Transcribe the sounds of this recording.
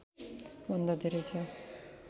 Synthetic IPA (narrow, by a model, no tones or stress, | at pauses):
bʱʌnd̪ʌd̪eɾet͡sʰʌ